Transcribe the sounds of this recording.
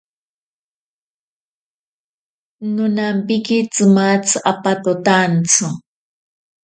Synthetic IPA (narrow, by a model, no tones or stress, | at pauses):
nʊnampɪkit͡sɨmat͡sɨʔapat̪ot̪ant͡sʊ